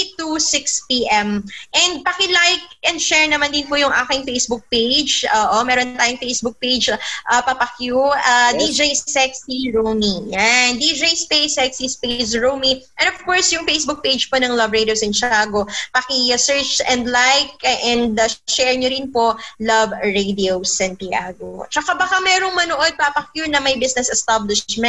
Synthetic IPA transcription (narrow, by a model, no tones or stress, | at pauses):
it̪usɪkspiʔɛmʔɛnd̪̚pɐkɪlajk̚ʔɛnd̪ʃɛɹnɐmand̪ɪnpʊjʊŋʔa̰ːkɪŋfejsbʊk̚pejd͡ʒʔoːʔomɛːɾont̪aːjʊŋfejsbʊk̚pejd͡ʒʔɐpɐpɐkjuʔɐd̪id͡ʒejsɛksiɹomijand̪id͡ʒejspejsɛksispesɹowmiʔɛnɔvkɔɹsjʊŋfejsbʊk̚pejd͡ʒponɐŋlɐbɹejd̪iowsɛnt͡ʃaːɡopɐkɪsɛɹt͡ʃɛ̃nd̪lajkʔɛnd̪ʃɛɹɲoɾɪnpolɐvɹejd̪iowsɛnpɪa̰ːɡot͡ʃɐkabɐkamɛːɾoŋmɐnoʔod̪̚papɐkjuɹnɐmɐjbɪsnɛsɛst̪ablɪʃmɛn